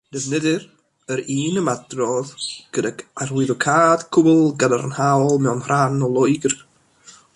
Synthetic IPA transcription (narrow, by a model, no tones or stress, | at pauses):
d̥ɛvnɛdɪr | əɾiːnəmadrɔðɡ̥ədaɡarwɪðɔkʰaːd̥kʰʊblˠɡadaɾənhawlˠmɛwnhranɔlˠɔjɡr